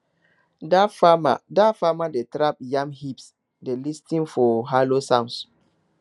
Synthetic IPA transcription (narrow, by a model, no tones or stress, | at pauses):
dafamadafamadetɾap̚jãmhips | delistĩnfɔɦalosãns